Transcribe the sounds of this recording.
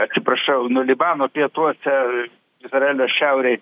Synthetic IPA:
ɐt̪sʲɪpɾɐʃɐʊnʊlʲɪbɑːnoːpʲiɛt̪uɔsʲɛ | ɪzrɐɛːlʲoːʃʲɛʊɾʲɛɪ

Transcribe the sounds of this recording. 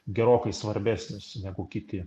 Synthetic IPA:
ɡʲɛɾoːkɐɪsʋɐɾʲbʲæːsʲnʲʊsnʲæɡʊkʲɪt̪ʲɪ

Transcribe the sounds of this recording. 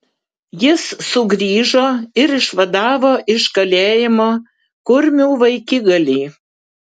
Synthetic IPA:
jɪssʊɡɾʲiːʒoːɪɾɪʃʋɐd̪ɑːʋoːʔɪʃkɐlʲeːjɪmo | kʊɾʲmʲuːʋɐɪkʲɪɡɐlʲiː

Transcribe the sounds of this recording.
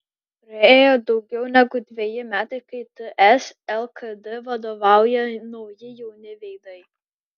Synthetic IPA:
ɾɐeːjod̪ɒʊɡʲɛʊnʲæɡʊd̪ʲʋʲejɪmʲæːt̪ɐɪkɐɪt̪əʔɛsɛlˠkɐd̪ɨʋɐd̪oʋɑˑʊjɛnɐʊjɪjɛʊnʲɪʋʲɛɪd̪ɐɪ

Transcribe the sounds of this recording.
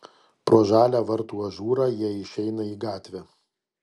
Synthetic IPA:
pɾoːʒɑːlʲæʋɐɾt̪uːɐʒuːɾɑːjiɛɪʃʲɛɪnɐiːɡɑːt̪ʲʋʲɛː

